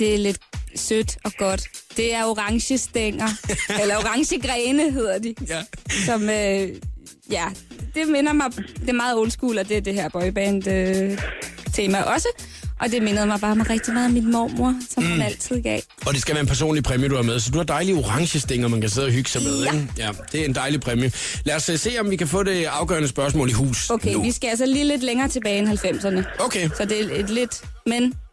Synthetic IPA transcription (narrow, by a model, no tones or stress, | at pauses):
d̥e̝æle̝d̥sød̥ɒ̽ɡ̥ɒ̽d̥d̥e̝æɐo̝ʁɑ̈ŋɕəsd̥eŋ̰ɐelɐo̝ʁɑ̈ŋɕəɡ̥ʁɛːnəɦe̝ð̰ˠɐd̥isɒ̽mø | jæd̥e̝menɐmɑ̈ɪd̥e̝æmɑ̈ːð̞̩ˠɔ̽nsɡ̥ṵːlɒd̥e̝æɐd̥e̝ɦeɐ̰b̥ɒ̽ɪb̥ɛːnd̥ø | t͡sʰe̝ːmæʔɒ̽sə | ʔɒ̽d̥e̝me̝nəð̞̩ˠmɑ̈ɪb̥ɑ̈ːmʁɛɡ̥̚d̥imɑ̈ːð̩ˠminmɒ̰ːmo̝ɐ̰sɒ̽mhænæl̰t͡sʰið̰ˠɡ̥ɛ̰ː | ɒ̽d̥e̝sɡ̥æʋæɐenpʰæɐso̝̰ːnlipʰʁɛmjəd̥uæɐmeðˠsɒ̽d̥uhɑ̈d̥ɑ̈ɪlioʁɑ̈ŋɕəsd̥e̝ŋ̰ɒmænkʰæse̝ð̰ˠɒɦyɡ̥ə̥sɑ̈ɪmeðˠejæd̥e̝æɐe̝nd̥ɑ̈ɪlipʰʁɛmjə | læɐsse̝̰ːɒ̽mʋikʰæfɔ̰̽ːɾe̝ɑ̈ʊɡ̥œ̰ɐnəsb̥ɶɐs̬mɔ̰̽ːliɦṵːsokʰeʋisɡ̥æælsɐliːle̝d̥leŋɐːt͡sʰe̝b̥ɛːenɦælfem̰sɐnəoʊkʰesɒ̽d̥e̝e̥le̝d̥men